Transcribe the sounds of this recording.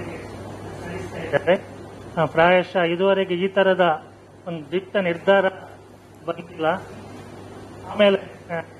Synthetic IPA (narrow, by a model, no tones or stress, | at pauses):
ɐisɐid̪aːɾẽːpɾaːjɐʃɐid̪uʋɐɾeɡeiːt̪ʰɐɾɐd̪ɐ | ond̪ud̪ipʈɐniɾd̪ʱaːɾɐ | bɐnd̪ilːɐ | aːmeːle